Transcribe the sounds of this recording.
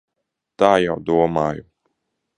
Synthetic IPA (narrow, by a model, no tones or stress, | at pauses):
t̪aːjawd̪uɔmaːju